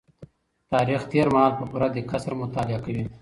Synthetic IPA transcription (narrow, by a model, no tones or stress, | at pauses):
t̪ɑːɾixt̪eːɾmaɦɑːlpəpuɾad̪ekasɾmʊt̪aːlɪakawi